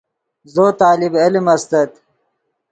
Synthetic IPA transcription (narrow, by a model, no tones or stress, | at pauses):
zoːt̪aːlibelimɐst̪ɐt̪